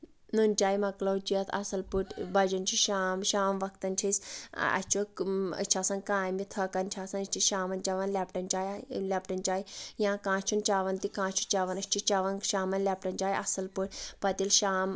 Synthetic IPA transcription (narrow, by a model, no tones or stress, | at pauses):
nunʲt͡ʃaːjmɐklowt͡ʃiɐt̪ʰɐ̰sɐlpuʈbɐd͡ʒɐnt͡ʃʰiʃaːmʃaːmʋɐkt̪ɐnt͡ʃʰisʲɐ̰st͡ʃʰuə̰t͡ʃʰaːsɐ̃nkãːjmit̪ʰɐːkɐnt͡ʃʰaːsɐnɐʃʲt͡ʃʰiʃaːmɐnt͡ʃɐʋɐnlʲapʈɐnt͡ʃaːjlʲep̚ʈɐnt͡ʃaːjijãːkãːt͡ʃʰunt͡ʃaːʋɐnt̪ikãːt͡ʃʰu̥t͡ʃɐʋɐnɐsʲt͡ʃit͡ʃɐʋɐnkʃaːmɐnlʲɐp̚ʈɐnt͡ʃaːjʔɐsɐlpuʈʲpɐt̪ilʃaːm